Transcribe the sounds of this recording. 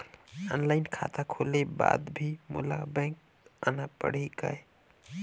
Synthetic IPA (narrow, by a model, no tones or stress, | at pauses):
ɔnlaɪnkʰa̰t̪akʰoleba̰d̪bʱimṵlabɛ̃ŋk̚ | anapəɽ̤ikəe